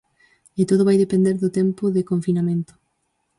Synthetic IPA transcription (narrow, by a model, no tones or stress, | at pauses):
et̪oðʊβajðepẽnd̪eɾðʊt̪ɛmpʊðɪkoɱfinamẽnt̪ʊ̥